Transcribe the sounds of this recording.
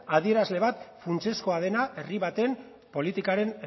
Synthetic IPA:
aðie̞ɾazle̞β̞at̪funt͡se̞sko̞að̞e̞naʔe̞riβat̪e̞n | po̞lit̪ikaɾe̞n

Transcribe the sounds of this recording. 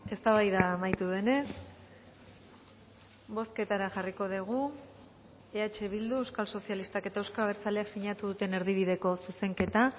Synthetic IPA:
e̞st̪aβajðaːmajt̪uðe̞ne̞s | βo̞ske̞t̪aɾaʝariko̞ð̞eɣ̞u | e̞at͡ʃe̞β̞ild̪uewskalso̞sjalist̪ake̞t̪aewskaβe̞ɾt͡saleaksiɲat̪uðut̪e̞ne̞ɾðiβ̞iðe̞ko̞suse̞ŋke̞t̪a

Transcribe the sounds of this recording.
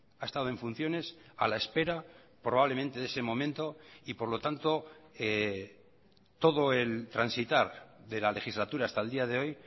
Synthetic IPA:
ae̞st̪aðoe̞ɱfun̟θjo̞ne̞sa̰laespe̞ɾa | pɾoβaβlemẽnt̪e̞ðe̞se̞mõ̞mẽnt̪o̞ipo̞ɾlo̞t̪ant̪o̞e | t̪o̞ðo̞e̞lt̪ɾansit̪aɾðe̞lale̞xizlat̪uɾaːst̪aeld̪iaðe̞o̞j

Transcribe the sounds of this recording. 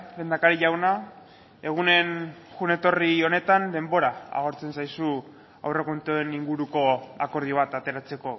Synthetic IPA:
lend̪akaɾiʎawna | e̞ɣ̞une̞nxune̞t̪o̞rio̞ne̞t̪and̪e̞mbo̞ɾaa̰ɣo̞ɾt͡se̞nsajsu | a̰wre̞kont̪oeniŋɡuɾuko̞ako̞ɾð̞ioβ̞at̪at̪e̞ɾat͡se̞ko̞

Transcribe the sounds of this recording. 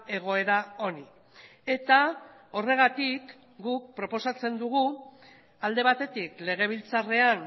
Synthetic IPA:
e̞ɣ̞o̞e̞ɾao̞ni | e̞t̪ao̞re̞ɣ̞at̪ik | ɡuk̚pɾo̞po̞sat͡se̞nd̪uɣ̞u | ald̪e̞β̞at̪e̞t̪ikle̞ɣ̞e̞β̞ilt͡sare̞an

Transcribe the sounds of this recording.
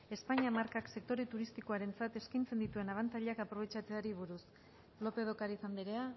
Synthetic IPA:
e̞spaɲiamaɾkakse̞k̚t̪o̞ɾe̞t̪uɾist̪iko̞aɾe̞nt͡sat̪e̞skajnt͡se̞nd̪it̪ue̞naβ̞ant͡saʎeakapɾo̞β̞e̞t͡ʃat͡se̞aɾiβuɾus | lo̞pe̞ð̞o̞kaɾisand̪iɾe̞a

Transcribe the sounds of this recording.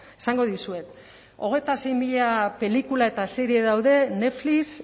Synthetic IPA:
esaŋɡo̞ðisue̞t̪ | o̞ɣ̞e̞jt̪ase̞jmiʎape̞likulae̞t̪aseɾieðawðe̞ne̞flis

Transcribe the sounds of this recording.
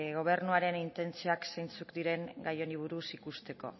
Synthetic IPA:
ɣo̞β̞e̞rnuaɾe̞nint̪e̞nt͡sioaksejnt͡sukd̪iɾe̞ŋɡajo̞niβ̞uɾusikust̪e̞ko̞̰

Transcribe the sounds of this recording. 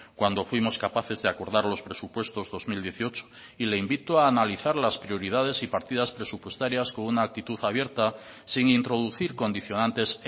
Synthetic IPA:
kwand̪o̞fwimo̞skapaθe̞zðeako̞ɾðaɾlo̞spɾe̞supwe̞st̪o̞zðo̞zmild̪jeθio̞t͡ʃo̥ | ileimbit̪oaːnaliθaɾlaspɾjo̞ɾið̞að̞e̞sipaɾt̪ið̞aspɾe̞supwe̞st̪aɾjasko̞ŋunaːk̚t̪it̪uθaβ̞je̞ɾt̪a | siŋint̪ɾo̞ðuθiɾko̞nd̪iθjo̞nãnt̪e̞s

